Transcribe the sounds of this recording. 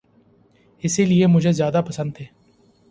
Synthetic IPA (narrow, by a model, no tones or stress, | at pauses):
ɪsiliemʊd͡ʒʱezjaːd̪aːpəsə̃nd̪̚ɦeː